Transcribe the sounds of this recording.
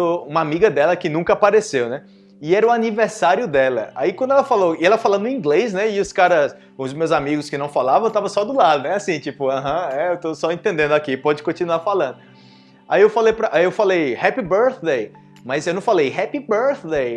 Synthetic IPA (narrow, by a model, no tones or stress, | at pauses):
ʊũmɐamiɡɐd̪ɛlɐkɪnũŋkɐapaɾesewnɛ | ɪɛɾɐʊaniveɾsaɾjʊd̪ɛlɐ̰a̰ikwɐ̃nd̪ʊɛlɐfalowɪɛlɐfalɐ̃nd̪ʊ̃ĩɡles̬nɛɪʊskaɾɐs | ʊzmewzamiɡʊskɪnɐ̃w̃falavɐ̃t̪avɐ̃sɔd̪ʊlad̪ʊnɛasĩt͡ʃipʊɐ̃ɦɐ̃ɛewt̪osɔẽnt̪ẽnd̪ẽnd̪ʊakipɔd͡ʒɪkõt͡ʃinuafalɐ̃nd̪ʊ | aiewfalejpɾɐʔaewfalejhɛpibeɾθd̪ej | mɐzewnɐ̃w̃falejhɛpibeɾθd̪ej